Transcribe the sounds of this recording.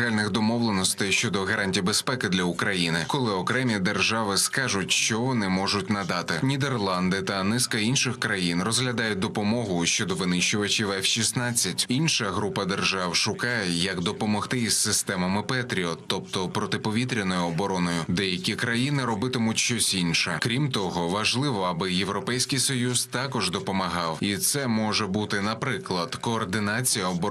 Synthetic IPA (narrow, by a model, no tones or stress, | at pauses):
ɦalʲnɪxd̪ɔmɔwlˠenɔst̪ɛjʃt͡ʃɔd̪ɔɣɐɾʔanʲtʲiwbespɛkɪd̪lʲɐʊkɾɐjinɪkɔlˠɪɔkɾɛmʲid̪e̞rʒɑʋɪskɑʒʊtʲʃt͡ʃɔʋɔnɪmɔʒʊtʲnɐd̪ɑt̪ɪnʲid̪erlˠɑnd̪ɪt̪ɐnɪskɐinʃɪxkɾɐjinrɔzɦlʲɐd̪ɑjʊt̚ʲd̪ɔpɔmɔɦʊʃt͡ʃɔd̪ɔʋɪnɪʃt͡ʃʊʋɐt͡ʃɪʋɛfʃisnat͡sʲːɐtʲinʃɐɦɾupɐd̪erʒɑwʃʊkɑjɛjɐkd̪ɔpɔmɔxt̪ɪissɪst̪ɛmɐmɪpɛt̪ɾʲiɔt̪ɔpt̪ɔpɾɔt̪ɪpɔʋʲit̪ɾʲɪnɔjʊɔbɔɾɔnɔjʊd̪ɛjɐkʲikɾɐjinɪɾɔbɪt̪ɪmʊtʲʃt͡ʃɔsʲinʃɛkɾʲimt̪ɔɦɔʋɐʒlˠɪʋɔɐbɪje̞wɾɔpɛjsʲkɪjsɔjuzt̪ɑkɔʒd̪ɔpɔmɐɦɑwit̪sɛmɔʒɛbut̪ɪnɐpɾɪklˠɐd̪̥kɔːrd̪ɪnat͡sʲijɐɔbɔ